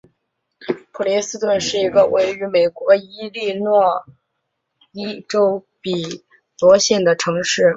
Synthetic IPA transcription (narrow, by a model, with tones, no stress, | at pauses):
pʰu˨˩li˧˥sɹ̩˥t̪wə˥˧nʂɻ̩˥˩i˧˥ɡə˧wʔe˧˥ɪy˧˥me˨˩ɪkwɔ˧˥i˥li˥˧nwɔ˥˩ | i˥ʈ͡ʂo˥ʊ | pi˨˩ | t̪wɔ˧˥ɕjɛ˥˩nd̪ə˩ʈ͡ʂʰɤ˧˥ŋʂɻ̩˥˩